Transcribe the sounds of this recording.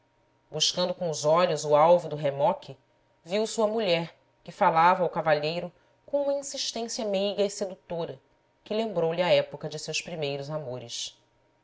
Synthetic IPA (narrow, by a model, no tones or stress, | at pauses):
buʃkɐ̃nd̪ʊkõʊzɔʎʊzʊawvud̪ʊɦemɔkʲʰɪ | viwsuɐmuʎɛɾ | kɪfalavɐawkavaʎejɾʊ | kõũmɐĩsiʃt̪ẽsjɐmejɡɐɪsed̪ut̪oɾɐ | kɪlẽmbɾowlɪɐɛpʊkɐd͡ʒɪsewspɾimejɾʊzamoɾɪʃ